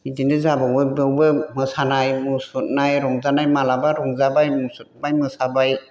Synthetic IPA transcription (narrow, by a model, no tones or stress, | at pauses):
idindɯzabawbɯbɯwbɯmɯsanajmusut̚najɾɔŋzanajmalabaɾɔŋzabajmusut̚majmɯsabaj